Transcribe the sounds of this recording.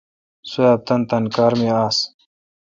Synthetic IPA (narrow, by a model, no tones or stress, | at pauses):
sujaːb̚t̪ɐnt̪ɐnkaːɾmiaːs